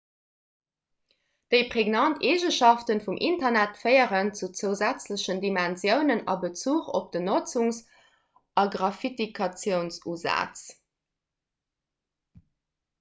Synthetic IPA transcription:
d̥əɪpʁeɡnɑntʰeːʒəʃɑftənfumʔintɐnætfɜɪəʁənt͡sut͡səʊzæt͡sləɕəndimænzjəʊnənɑ̰bət͡suːχo̰p̚d̥ənot͡suŋs | ɑɡʁɑfitikʰɑt͡sjəʊnsuːzæ̰ːt͡s

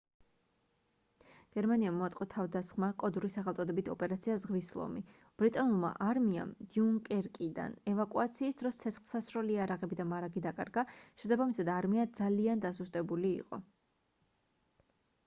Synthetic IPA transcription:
ɡ̥ɛɾmaniamɔat̪sʼqʼɔt̪ʰavd̪asχmakʼɔd̪uɾisaχɛlˠt̪sʼɔd̪ɛbit̪ʰɔpʼɛɾat̪sʰiazʁvislˠɔ̰mi | b̥ɾit̪ʼanulˠma̰ʔaɾmia̰md̪̥iuŋkʼɛɾkʼid̪a̰nɛvakʼuat̪sʰiːsd̪ɾɔst̪sʰɛt̪sχlˠsasɾɔliaɾaʁɛbid̪amaɾaɡid̪akʼa̰ɾɡaʃɛsabamisad̪aɾmiad̪zaliand̪asust̪ʼɛbulḭːqʼɔ̰

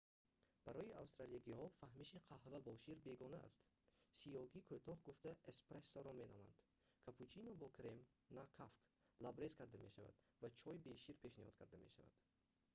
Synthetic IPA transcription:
b̥aɾɔiawst̪ɾaliaɡihɔfahmiʃiqʰahvabɔʃiɾbe̞ɡɔnaa̰st̪ | sijɔɡikʰot̪ʰɔhɡuft̪aespɾesːɔɾɔme̞nɔma̰nd̪̥ | kʰapʰut͡ʃʰinɔbɔkʰɾem | nakʰafk | labɾe̞zkʰaɾd̪ame̞ʃava̰d̪ | vat͡ʃʰɔjibeʃiɾpʰeʃnihɔ̰d̪̥̚kʰaɾd̪amḛʃa̰va̰d̪̥

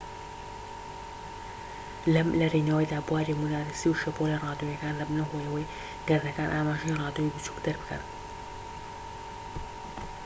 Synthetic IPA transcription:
lɐmlɐrinawɐjd̪aːbuwaːɾimunaːɾisiwʃɐpolirɑːd̪jojɐkaːnlɐbnɐɦojɐwɐj | ɡɐɾd̪ɐkaːnʔaːmaːʒɐjirɑːd̪oibut͡ʃʰu̥kd̪ɐɾbɨkɐ̰n

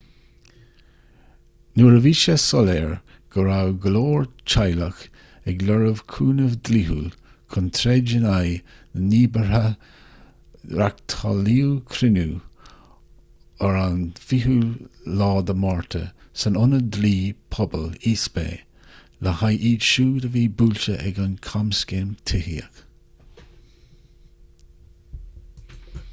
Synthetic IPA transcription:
nuːɹəviːʃəsɔlɛːɹ | ɡ̥əɾawɡəloːɹt͡ʃʰajləx | ɛɡlɔɹəvkʰuːnəvd̪lihṵl | kʰʊnt̪ʰɾɛːd͡ʒənajəniːbə | ɾakt̪ʰaliːwkʰɾɪnu | əɹanfiɦulɑːd̪əmɔɹt̪ʰə̰ | sənʊnəd̪liːpʰɔbəliːsbḛː | ləhajʔiːdʃuːd̪əviːbuːlʲʃəʔɛ̰ɡankʰamskeːmt̪ʰɪhiə̰k

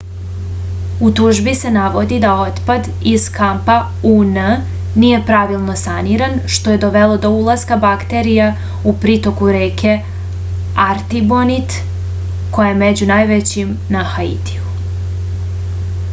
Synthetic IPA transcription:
ut̪uʒbise̞naʋo̞d̪id̪ao̞t̪pad̪ | iz̥kampa | unə | nije̞pɾaʋilˠno̞saniɾanʃt̪o̞je̞d̪o̞ʋelˠo̞d̪o̞ulˠazkabakt̪eɾija | upɾit̪o̞kuɾeːkʰe̞ | aɾt̪ibonit̪ | ko̞jajemed͡ʑunajʋet͡ɕim | naxaḭt̪i̥u

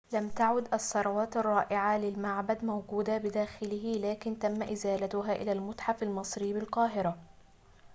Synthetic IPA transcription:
lamt̪aʕʊd̪ʔɑsˤːɑɾˤɑwaːt̪ɑrˤːɑːʔɪʕalɪlmaʕbad̪mawɡuːd̪abɪd̪aːxɪlɪɦɪlaːkɪnt̪amːaʔɪzaːlat̪ʊɦaːʔɪ̰lalmʊt̪ħafalmɨsˤɾɪjːbɪlqɑːɦɪɾa

